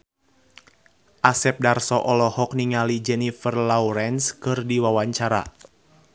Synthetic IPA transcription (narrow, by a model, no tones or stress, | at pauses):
ʔasɛp̚darsɔʔɔlɔhɔk̚niŋalid͡ʒɛnifərlawɾɛnskɨrdiwawaɲt͡ʃaɾa̰